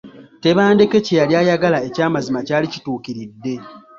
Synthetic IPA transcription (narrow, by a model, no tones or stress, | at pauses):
te̞βaːnde̞ke̞cejaljaːjaɡalae̞caːmazimacaːlici̥tuːkiɾidːe̞